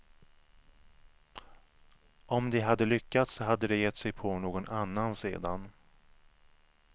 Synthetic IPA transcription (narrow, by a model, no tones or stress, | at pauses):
ɔmd̪ɛɦad̪ːəlʏkːat̪sɔɦad̪ːəd̪ɛjɛt̪ːsɛjpʰɔnoːɡɔnʔanːansḛːd̪an